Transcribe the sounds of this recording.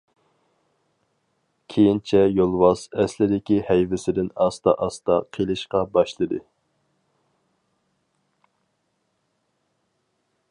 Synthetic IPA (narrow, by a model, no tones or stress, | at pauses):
kʲʰejint͡ʃʰɛjolˠwɑsɛslɪd̪ɪkʲihɛjvɪsɪd̪ɪnɑst̪ɑ̰ʔɑst̪ɑqʰelˠɨʃqɑbɑʃlˠɨd̪ɨ